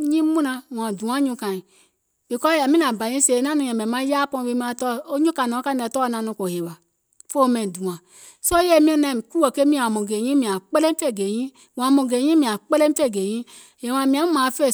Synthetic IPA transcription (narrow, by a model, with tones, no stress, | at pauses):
ɲĩ˦mũ˦nã˧wã˨du˨ã˨˦ɲũ˧kã˨ĩ˨ | b̥i˨kɔ˦a˨mĩ˦nã˨ba˨jĩ˦se˨nã˦nũ˨˧ja˨mɛ˨mã˦ja˦pɔ̃˧˨˦e˦˨m˦a˨tɔ˦o˦ɲũ˦kã˨nõ˨˦ka˦ɛ˨tɔ˦nã˧nũ˧ko˨he˨wa˨ | fo˦mɛ̃˨dũ˨ã˨ | so˦je˦˨mĩ˦ɛ˦na˨m˨ku˦o˨ke˦mĩ˦˨a˨mõ˨ɡe˨ɲĩ˦mĩ˨ã˨k͡pe˦le˦mi˦fe˦˨ɡe˨jĩ˦ | wã˨mõ˨ɡe˨jĩ˦mĩ˨a˨k͡pe˦le˦i˦fe˦˨ɡe˨jĩ˦ | je˨wã˨mĩ˨a˨˦ũ˦mã˨˦fe˦˨